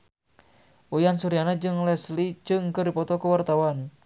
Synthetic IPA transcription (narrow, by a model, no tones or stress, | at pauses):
ʔujansuɾianad͡ʒɨŋlɛslid͡ʒɨŋkɨrdipɔt̪ɔkuwart̪awan